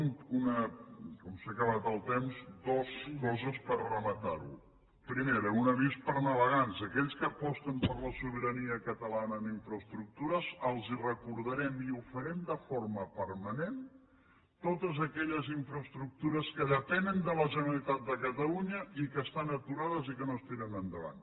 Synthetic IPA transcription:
nunəkɔmsakəβat̪əlˠt̪emzd̪ɔskɔzəspərrəmət̪aɾṵ | pɾimeɾəunəβispəɾnəβəɣanzəkɛʎskəːpɔst̪əmpəɾləsuβəɾəniəkət̪əlanəːniɱfɾəst̪ɾuk̚t̪uɾəzəlˠzirəkuɾðəɾɛmiufəɾɛmd̪əfoɾməpəɾmənen | t̪ot̪əzəkɛʎəziɱfɾəst̪ɾuk̚t̪uɾəskəðəpɛnənd̪ələʒənəlit̪at̪̚d̪əkət̪əluɲəikəst̪anət̪uɾaðəzikənoəst̪iɾənənd̪əβa̰n

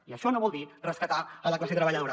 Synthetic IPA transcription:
iəʃɔnoβɔlˠd̪irəskət̪aələklasit̪ɾəβəʎɐðoɾa

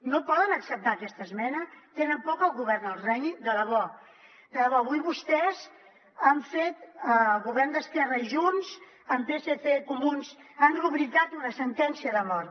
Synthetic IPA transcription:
nopɔðənəksəp̚t̪aːkɛst̪əzmɛnət̪enəmpɔkəlˠɣuβɛrnəlˠrɛjd̪ələβɔ | d̪ələβɔβujβust̪ɛz | əɱfet̪əlˠɣuβɛrnd̪əskɛrəiʒunz | əmpeseθekumunz | anruβɾit̪at̪unəsənt̪ɛnsiəðəmɔɾt̪

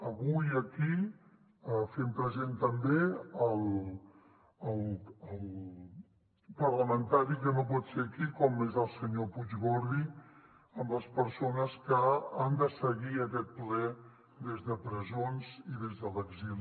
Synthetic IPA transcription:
əβujəki | əfempɾəzent̪əmbeəlˠ | əlˠəlˠ | pərləmənt̪aɾikənop̬ɔt̪sekikɔmezəlˠsəɲopud͡ʒɣoɾði | əmləspəɾsonəskəand̪əsəɣiəkɛt̪̚plɛ | ðezðəpɾəzonziðezðələɡzil

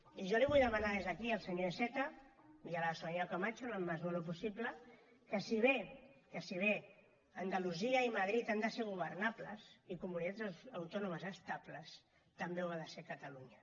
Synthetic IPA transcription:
iʒɔliβujðəmanaðezðəkiəlˠsəɲoesɛt̪ə | ialasoɲakamat͡ʃuləmːazβɔlup̬usiplə | kəsiβ̞ekəsiβ̞e | ənd̪aluziəimaðɾit̪and̪əseɾɣ̞uβəɾnaplə̰sikumunit̪azawt̪ɔnuməzəst̪apləs | t̪əmbewaðəsekət̪aluɲə

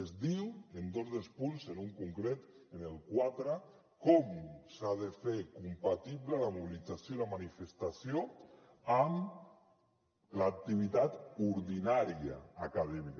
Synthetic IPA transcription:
ezðiwend̪ozðelˠspunzenuŋkuŋkɾet̪ | enelˠkwat̪ɾa | kɔmsaðefeɾkumpat̪iβlalamuβ̞ilid͡zasjoilamanifest̪asjo | am | laːk̚t̪iβ̞it̪at̪uɾðinaɾia̰akaðɛmik

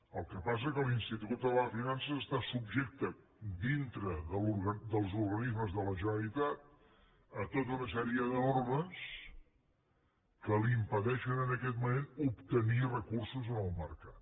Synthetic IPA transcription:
əlˠkəpas̬əkəlinst̪it̪ut̪̚d̪ələfinansəːst̪asubʒek̚t̪ə | d̪int̪ɾəðəluɾɣəd̪əlˠzuɾɣənizməzðələʒənəlit̪at̪̚ | ət̪ot̪̬əunəs̬ɛɾiəðoɾɣəns | kəlimpəðɛʃənənəkɛt̪̚mumenupt̪ənirəkursuzənəlˠməɾkat̪

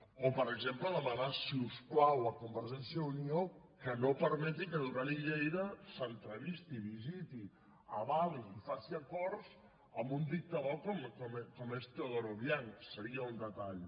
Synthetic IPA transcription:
opəɾəɡzempləðəmanasiuskwawakumbəɾʒɛnsjəunio | kənopəɾmɛt̪̬ikəðuɾaɾiʎejɾəsənt̪ɾəβist̪iβizit̪i | ɐβalisifasiakɔɾs | əmbund̪ik̚t̪aβɔkomkɔmkɔmest̪eoðoɾoβjaŋsəɾiəund̪ət̪aʎ

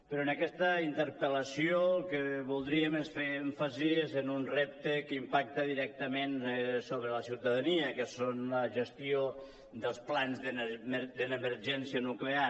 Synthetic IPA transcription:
pəɾɔenəkɛst̪əint̪əɾpələsioəlˠkəβulˠd̪ɾiəmesfeɛɱfaziezənunrep̚t̪əkəimpak̚t̪əðiɾɛk̚t̪əmensoβɾələsiwt̪əðaniəkəsonləʒəst̪io | d̪əlˠsplanzðəmd̪ənəməɾʒɛnsiənuklea

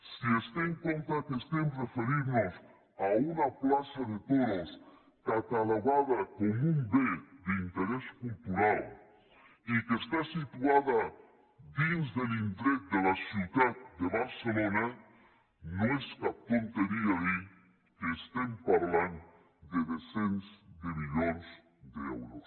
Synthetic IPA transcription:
siest̪eeŋkont̪akest̪emrefeɾiɾnos | aunaplasaðet̪oðos | k̪at̪alaβaðakomũmbed̪eint̪eɾeskult̪uɾal | ikest̪asit̪uaða | d̪inzðelint̪ɾek̚d̪elasjuðad̪̚d̪eβaɾselona | noeskat̪ont̪eɾiai | keːst̪empaɾlan | d̪eðesensd̪emiʎons | d̪eḛwɾos

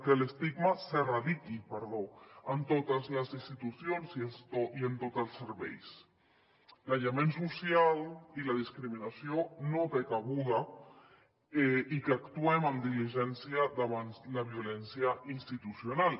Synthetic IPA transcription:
keləst̪iɡmaseraðikipəɾðoənt̪ot̪əzləzinst̪it̪usjonzisoiənt̪ot̪əlˠsəɾβɛ̰js | laʎamensusjalilaðiskɾiminasionot̪ekaɣuða | ikakt̪uɛmamd̪iliʒɛnsjaðaβanzlaβ̞iolɛnsjaʔinst̪it̪usjonal

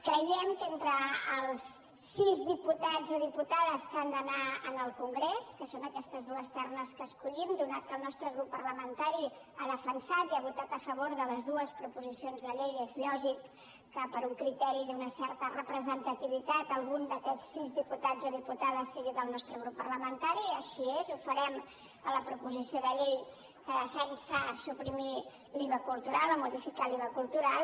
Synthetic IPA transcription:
kɾəjɛmkent̪ɾəːlˠsː | izðiput̪ad͡zoðiput̪aðəskand̪ənaənəlˠkuŋɡɾeskəsonəkɛst̪əzðuəst̪ɛrnəskəskuʎimd̪unat̪̚kəlˠnɔst̪ɾəɣɾupːərləmənt̪aɾi | aðəfənsat̪iaβut̪at̪əfəβoɾðələzðuəspɾupuzisionzðəʎejezʎɔʒikː | əpəɾuŋkɾit̪ɛɾid̪unəsɛɾt̪ərəpɾəzənt̪ət̪iβ̞it̪at̪əlˠɣund̪əkɛt͡sːizdiput̪ad͡zoðiput̪aðəsːeɣiðəlˠnɔst̪ɾəɣɾupːərləmənt̪aɾiəʃiezufəɾɛm | ələpɾupuzisioðəʎej | kəðəfɛnsəsupɾimi | liβəkulˠt̪uɾaləmuðifikaliβəkulˠt̪uɾalˠ

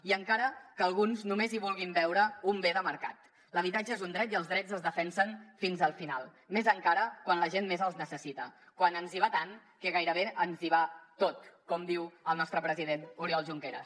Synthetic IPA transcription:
iəŋkaɾəkəːlˠɣunznumeziβulˠɣimbɛwɾəumbeðəməɾka̰t̪ | ləβit̪ad͡ʒəezund̪ɾɛt̪iəlˠzðɾɛd͡zəzðəfɛnsənfinzəlˠfina̰lˠ | mezəŋkaɾəkwanləʒenmezəlˠznəsəsit̪ə | kwanənziβat̪aŋ | kəɣajɾəβeʔənziβat̪ot̪kɔmd̪iwəlˠnɔst̪ɾəpɾəziðenuɾiɔlˠʒuŋkeɾə̰s

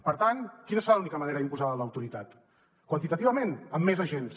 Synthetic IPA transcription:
pəɾt̪ankinəsəɾalunikəməneɾəðimpuzaðələwt̪uɾit̪at̪ | kwənt̪it̪ət̪iβəmenəmːezəʒens

